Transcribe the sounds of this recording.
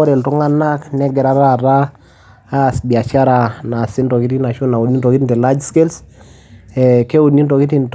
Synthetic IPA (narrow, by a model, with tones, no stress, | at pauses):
ɔ˦ɾɛ˨ltu˦ŋa˦na˦knɛ˦ɡɛ˨ɾa˦ɾa˦ɾaː˦˨ | sbia˨t͡ʃa˦ɾa˨na˨si˦ntɔ˨ki˦ti˦na˨ʃo˦na˨o˨ni˦ntɔ˨ki˦ti˨ntɛ˨la˦d͡ʒske˦ls | ɛke˦o˨ni˦ntɔ˨ki˦ti˨nt